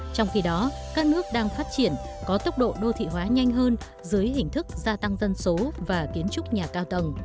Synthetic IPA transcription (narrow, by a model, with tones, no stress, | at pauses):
t͡ɕɔ˧wŋ͡mxi˧ɗɔ˨˦kaː˦˥k̚nɨ˦˥ək̚ɗaː˧ŋfaː˦˥t̚t͡ɕi˧˩ənkɔ˨˦t̪ə˦˥wk͡p̚ɗo̰˧˨ɗo˧t̪ʰḭ˧˨ɦwaː˨˦ɲa˧jŋ̟ɦəː˧n | zɨ˨˦əjɦï˨˩ŋ̟t̪ʰɨ˦˥k̚zaː˧t̪a˧ŋzə˧nso˨˦vaː˨˩ki˨˦ənt͡ɕʊ˦˥k͡p̚ɲaː˨˩kaː˧wt̪ə˨˧˩ŋ͡m